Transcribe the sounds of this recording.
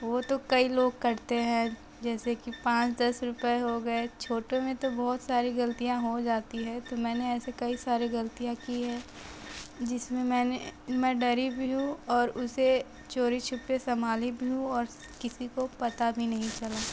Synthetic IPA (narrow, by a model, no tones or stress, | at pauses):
ʋot̪okɐiloːɡ̚kɐɾt̪eɦɛ̃ː | d͡ʒɛːsekipãːt͡ʃd̪ɐsɾʊpeɦoɡɐet͡ʃʰoːʈomẽt̪obɔɦʊt̪saːɾiɡɐlt̪ijãɦod͡ʒaːt̪iɦɛ̃t̪omɛ̃ːneɛːsekɐisaːɾiɡɐlt̪ijãkiɦɛ̃ː | d͡ʒɪsmẽmɛːnemɛ̃ɖɐɾibʱiɦũɔːɾʊse | t͡ʃoːɾit͡ʃʰʊpːesɐmaːlibʱiɦũɔːɾ | kɪsikopɐt̪abʱinɐɦĩt͡ʃɐlaː